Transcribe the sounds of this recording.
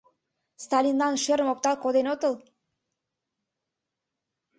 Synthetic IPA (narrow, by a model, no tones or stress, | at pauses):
st̪ɑlʲinlɑnʃeɾəmop̚t̪ɑlˠkod̪enot̪əl